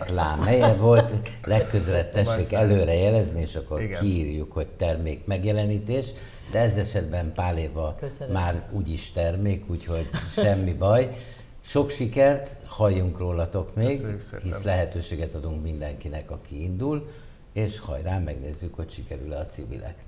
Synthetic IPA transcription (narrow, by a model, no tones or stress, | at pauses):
kla̰ːmhɛjɛvo̞lt̪lɛkːø̞zɛlɛp̚t̪ɛʃʃeːkɛløːɾɛjɛlɛznieːʃɒkːo̞rkiːrjukho̞ct̪ɛrmeːkmɛɡjɛlɛniːt̪eːʃ | d̪ɛɛzɛʃɛd̪bɛmpaːleːvɒmaːruːɟiʃt̪ɛrmeːkuːcho̞ɟʃɛmːibɒj | ʃo̞kʃikɛrt̪hɒjːuŋkroːlɒt̪o̞kmeːɡhislɛɦɛt̪øːʃeːɡɛt̪ɒd̪uŋkmind̪ɛŋkinɛkɒkiind̪ul | eːʃhɒ̰jraːmɛɡneːzːykho̞cʃikɛɾylɛɒt̪sivḭlɛ̰knɛ